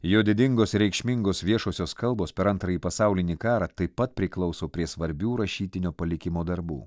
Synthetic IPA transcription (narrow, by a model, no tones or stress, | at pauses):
joːd̪ʲɪd̪ʲɪŋɡoːsɾʲɛɪkʃʲmʲɪŋɡoːsʋʲiɛʃoːsʲoːskɐlˠboːspʲɛɾɐnt̪ɾɐjiːpɐsɑˑʊlʲɪnʲiːkɑːɾɑːt̪ɐɪpːɐt̪̚pʲɾʲɪklˠɒʊsoːpʲɾʲiɛsʋɐɾʲbʲuːɾɐʃʲiːt̪ʲɪnʲoːpɐlʲɪkʲɪmoːd̪ɐɾbṵː